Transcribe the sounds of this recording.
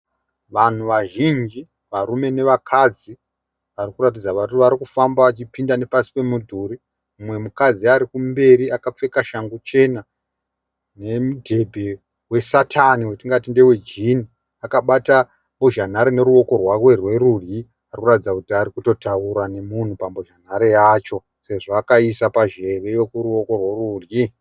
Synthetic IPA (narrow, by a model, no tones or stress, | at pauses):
ʋan̤uʋaʒind͡ʒi | ʋarume̞ne̞ʋakʰad͡zi | ʋarikuɾat̬id͡zaʋatuʋaɾikufambaːt͡ʃipindane̞pasi̥pe̞mudʱuɾi | mumwe̞mukad͡ziaɾikumbe̞ɾiakap͡fe̞kaʃaŋɡut͡ʃe̞na | ne̞mudʱe̞bʱe̞ | we̞satʰaniwetiŋɡatinde̞we̞d͡ʒini | akaɓata | mboʒan̤aɾene̞ɾuwo̞ko̞rwarwe̞rwe̞rurji | arikuratid͡zakutiaɾikuto̞tauɾane̞mun̤upamboʒan̤aɾejaːt͡ʃo̞ | se̞ʐoakaisapaʒe̞ʋe̞jo̞kuɾuwo̞ko̞rweɾurji